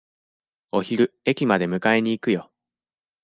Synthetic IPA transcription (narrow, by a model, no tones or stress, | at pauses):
o̞çiɾɯ̟e̞kʲimad̪e̞mɯ̟kae̞ɲ̟iːkɯ̟jo̞